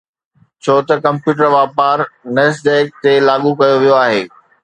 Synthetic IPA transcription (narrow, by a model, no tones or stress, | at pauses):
t͡ɕʰoːt̪ɐkɐ̃mpjuːʈ̬əɾʋaːpaːɾnesɖeːk̚t̪elaːɠukɐjoʋijoaːɦeː